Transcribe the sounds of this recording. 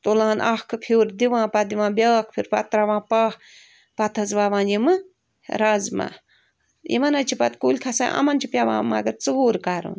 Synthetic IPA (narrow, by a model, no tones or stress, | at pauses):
t̪olãːnʔɐhkʰpʰuːɾd̪iʋãːpɐd̪iʋãːbjaːkʰpʰiɾpɐ̰t̪ɾaʋãːpɐːh | pɐt̪ʰɐzʋaːʋãːnjimɨ | ɾɐzma̰ | jḭmɐnɐt͡ʃʰipɐt̪kulʲkʰɐsãʔɐ̰mɐnt͡ʃʰipʲjaʋã̰ːma̰ɡɐɾt͡suuːɾkaɾṵːn